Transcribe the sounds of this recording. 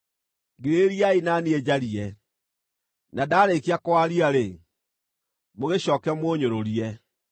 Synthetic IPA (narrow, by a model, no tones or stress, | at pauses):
ɡeɾeɾiainanied͡ʑaɾiɛ | nadaːɾekiakwaɾiaɾe | moɣeɕɔːkɛmwoːɲoɾoɾiɛ